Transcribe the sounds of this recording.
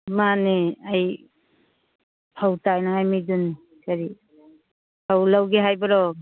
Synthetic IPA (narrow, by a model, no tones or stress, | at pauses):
maneaj | pʰawtajnaŋajmidunːi | kaɾi | pʰawlawɡeɦajbaɾɔ